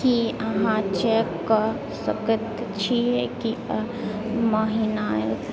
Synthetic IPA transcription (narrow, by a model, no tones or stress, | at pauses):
kiɐɦãt͡ʃɛːkːa | səkət̪t͡ʃʰiɦɛki | maːɦinajo